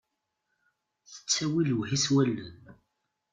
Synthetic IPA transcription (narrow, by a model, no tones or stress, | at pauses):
θə̥t͡sːæwilwhiswælːən